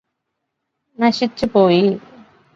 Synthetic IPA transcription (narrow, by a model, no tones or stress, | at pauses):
nɐɕit͡ɕːupoːji